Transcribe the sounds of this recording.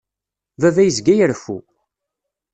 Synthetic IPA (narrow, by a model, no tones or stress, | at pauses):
vævæjəzɡæjəɾfṵ